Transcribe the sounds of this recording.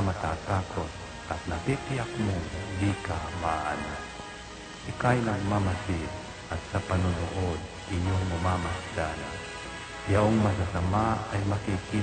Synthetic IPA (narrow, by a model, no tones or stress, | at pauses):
mat̪aːt̪akot̪̚ | at̪̚napipɪakmoŋd̪ikamaʔana | sɪkajnaɡmamasi | at̪sapanʊnʊʔod̪̚ʔɪɲoŋmʊmamasdan | jaʔoŋmas̬asamaajmakiki